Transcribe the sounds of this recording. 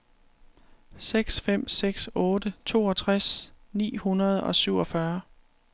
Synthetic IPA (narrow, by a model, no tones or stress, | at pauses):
seɡ̥sfem̰seɡ̥sɔ̽ːdət͡sʰo̝̰ːɒ̽t͡sʰʁasnḭːhunɐð̞ˠɒ̽syʊ̰ɒ̽fɶɐ